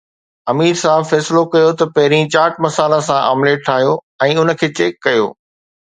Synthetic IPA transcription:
ɐmiːɾsaːbfɛːsɪlokɐjot̪ɐpɐɦɪɾĩt͡ɕaːɾʈ̚mɐsaːlãsãʔa̰mleʈʰaːɦijo | ɛ̃ːʊnə̆kʰeːt͡ɕeːkːɐjo̰ː

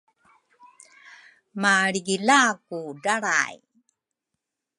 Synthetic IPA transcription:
maɾiɡilakudaɾa̰j

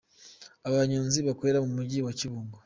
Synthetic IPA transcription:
aβaɲuːnziβakoɾeɾamumuɟiwaciβuːŋɡa

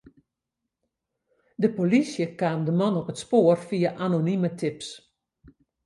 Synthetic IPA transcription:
dəpolisjəkaːmdəmɔnɔpətspoːərfiaʔanonimətʰɪps

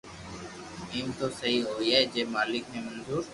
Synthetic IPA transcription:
iːmt̪oːsəɦiːɦoːiːaːɦeːd͡ʒeːmaːlɪkmẽːmənzuːɾ

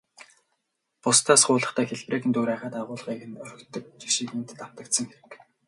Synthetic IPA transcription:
pʊst̪ʰaːsɢʊːɮə̆χt̪ʰæːxeɮpreːkɘ̆nt̪oːɾæːχaːt̪aʁʊːɮʁiːkɘ̆nœɾʲɵ̆kt̪ɵ̆k̚t͡ɕi̥ʃiːkmunt̪t̪am̥t̪ə̆k̚t̪sə̆ŋxeɾɘ̆k

